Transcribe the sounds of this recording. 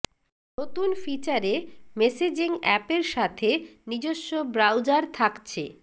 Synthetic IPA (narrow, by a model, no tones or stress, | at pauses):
not̪unfit͡ɕaɾemesed͡ʑiŋɛpeɾʃat̪ʰenid͡ʑoʃːobɾawd͡ʑaɾt̪ʰakt͡ɕʰe